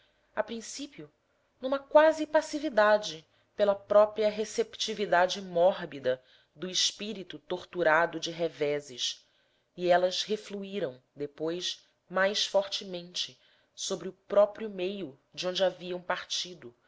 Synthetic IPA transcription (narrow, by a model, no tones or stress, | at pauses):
apɾĩsipiʊ | nũmɐkwazɪpasivid̪ad͡ʒɪ | pelɐpɾɔpɾiɐɦesept͡ʃivid̪ad͡ʒɪmɔɦbid̪ɐ | d̪ʊɪʃpiɾit̪ut̪oɾt̪uɾad̪ʊd͡ʒɪɦevɛzɪʃ | iɛlɐzhefluiɾɐ̃w̃d̪epojʃ | majsfɔɾt͡ʃɪmẽnt͡ʃɪ | sobɾɪʊpɾɔpɾjʊmejʊ | d͡ʒɪõnd͡ʒɪaviɐ̃w̃paɾt͡ʃid̪ʊ